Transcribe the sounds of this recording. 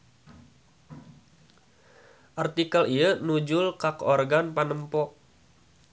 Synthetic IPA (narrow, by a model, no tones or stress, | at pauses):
ʔart̪ikəliənud͡ʒʊlkakɔrɡanpanəmpɔʔ